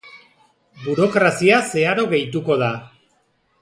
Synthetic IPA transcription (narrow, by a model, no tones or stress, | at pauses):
buɾo̞kɾasiase̞aɾo̞ɣe̞jt̪̬uko̞ð̞a